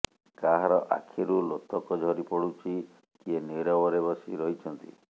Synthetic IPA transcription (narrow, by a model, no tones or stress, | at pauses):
kaɦaɾɔʔa̰kʰiɾulot̪ɔkɔd͡ʒʱɔɾipɔɽut͡ʃʰi | kieneɾɔbɔɾebɔsiɾɔɦit͡ʃʰɔnt̪ḭ